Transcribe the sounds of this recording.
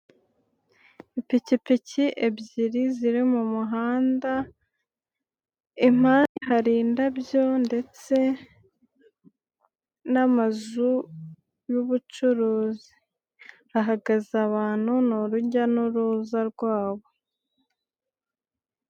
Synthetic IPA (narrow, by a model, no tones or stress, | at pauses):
ipicipiciʔe̞bɟiɾiziɾimumuɦaːnda | im̥haːniɦaɾiːndabjo̞nde̞t͡se̞ | namazu | juβut͡ʃuɾuːzi | aɦaɡazaβaːn̥hunuɾuɟanuɾuːzaɾɡwaːβo̞